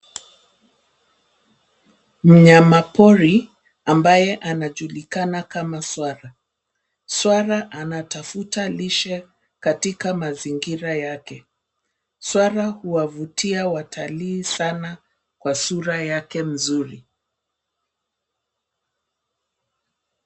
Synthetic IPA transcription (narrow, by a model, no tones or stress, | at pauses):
m̩ɲamapɔɾi | ambajɛʔanaʄulikanakamaswaɾa | swaɾaʔanatafutaliʃɛ | katikamaziŋɡiɾajakɛ | swaɾahuwavutiawatʰaliːsana | kwasuɾajakɛm̩zuɾi